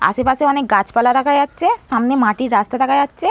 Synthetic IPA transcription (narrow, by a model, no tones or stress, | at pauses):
a̰sepaseɔnek̚ɡat͡ʃpalat̪akʰajat͡ʃʰesamnemaʈiɾast̪at̪akʰajatːt͡ʃʰe